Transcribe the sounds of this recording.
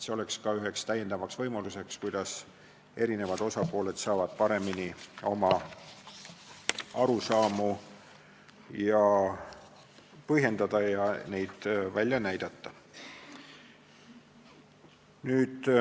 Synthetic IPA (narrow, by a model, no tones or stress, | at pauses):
seo̞le̞kskɑyɦe̞kst̪æjːe̞nd̪̥ɑvɑksvɤjmɑluse̞kskujd̪̥ɑs | e̞ɾine̞vɑd̪̥o̞sɑpo̞ːle̞d̪̥sɑːvɑd̪̥̚pɑɾe̞minio̞mɑ | ɑɾusɑːmu | jɑ | pɤɦje̞nd̪ɑd̪̥ɑjɑne̞jd̪̥vælʲːjɑnæjd̪̥ɑt̪ːɑ | nyːd̪̥